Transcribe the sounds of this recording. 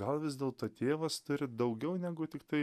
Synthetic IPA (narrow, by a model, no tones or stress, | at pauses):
ɡɐlˠʋʲɪzʲd̪ʲeːlˠt̪oːt̪ʰʲeːʋɐst̪ʊɾʲɪd̪ɐʊɡʲɛʊnʲæːɡʊt̪ʲɪkt̪ɐɪ